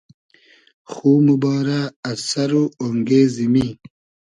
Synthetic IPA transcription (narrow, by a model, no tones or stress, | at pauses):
xuːmubɑːɾaɐsɐɾuoŋɡeːzimi